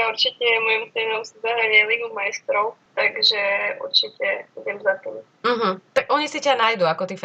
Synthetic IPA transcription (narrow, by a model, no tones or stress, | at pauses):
jauɾt͡ʃicɛmɔjɔmsɛnɔʊsizaɦaʋɪɛliɡumajst̪ɾɔʊt̪aɡʒɛʔṵɾt͡ʃicɛiɟɛmzat̪iːm | m̩ɦm̩t̪aɡʔɔɲisicanajd̪uakɔt̪if